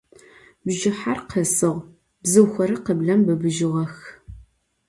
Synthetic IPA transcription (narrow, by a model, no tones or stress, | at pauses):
bʒɪħarqʰəsɨʁʷ | bzɨwxʷɐɾɨqəbɮɐmbɨbɨʒɪʁɐx